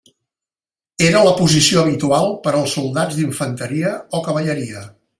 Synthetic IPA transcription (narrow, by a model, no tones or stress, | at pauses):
eɾələpuzisioəβ̞it̪ualˠpəɾəlˠsulˠd̪ad͡zd̪iɱfənt̪əɾiəɔkəβəʎəɾiə